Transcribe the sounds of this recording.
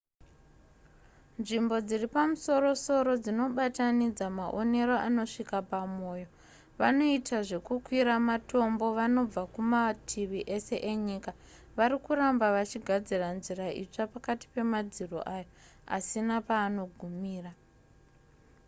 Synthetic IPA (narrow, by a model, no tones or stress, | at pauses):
nʐimbo̞d͡ziripamuso̞ɾo̞so̞ɾo̞d͡zino̞ɓatanid͡zamaʔo̞ne̞ɾo̞ʔano̞ʂikapamo̞ːjo̞ | ʋano̞itaʐe̞kukwiɾamato̞mbo̞ʋano̞b͡vakumatʰiʋiʔe̞se̞ʔeɲika | ʋaɾikuɾambaʋat͡ʃiɡʱad͡ziranziraḭt͡ʂapakati̥pe̞mad͡ziro̰ʔajo | a̰sinapaːno̞ɡʱumiːra